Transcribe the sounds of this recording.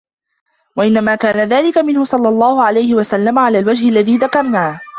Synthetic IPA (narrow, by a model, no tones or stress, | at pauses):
waʔɪnːamaːkaːnaðaːlɪkamɪnhʊsˤɑlːɑlˤːɑːhʊʕalajhɪwasalːamaʕalaːlwad͡ʒhɪalːaðiːðakɑɾˤnaːh